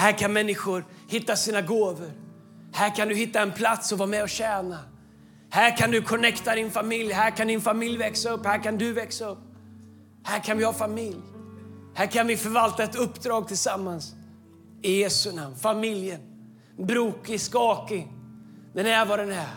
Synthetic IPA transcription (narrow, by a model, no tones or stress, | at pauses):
hæːɾkʰanmɛnːɪɧʊɾhɪt̪ːasiːnaɡoːvəɾ | hæːɾkʰand̪ɵɦɪt̪ːaɛnpʰlat̪sɔvɑːmɛɔɕɛːna | hæːɾkʰand̪ɵkʰɔnɛkt̪ad̪ɪnfamɪljɦæːɾkʰand̪ɪnfamɪljvɛksaɵpːhæːɾkand̪ɵvɛksaɵpː | hæːɾkʰanvɪhɑfamɪljhæːɾkʰanvɪfœɾvalt̪aɛt̪ɵpːd̪ɾɑːɡ̚t̪ʰɪlsamːans | ɪjeːsɵnamːfamɪljən | bɾuːkɪskɑːkɪŋ | d̪ɛnæɾvad̪ɛnæ